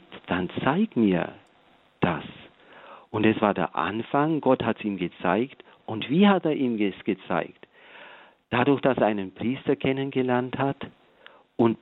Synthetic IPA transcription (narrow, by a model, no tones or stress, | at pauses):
d̥ant͡saɪk̚tmiːɐ | d̥a̰s | ʔʊntɛsv̥aːɐdḛːɐʔa̰nfaŋɡɔthatsiːmɡət͡sa̰ɪkt | ʔʊntv̥iːhateːɐʔiːmɡɛsɡ̥ət͡sa̰ɪkt | d̥adʊɐçd̥asʔaɪnənpʁ̥iːstɐkʰɛnənɡəlɛɐnthat | ʔʊnt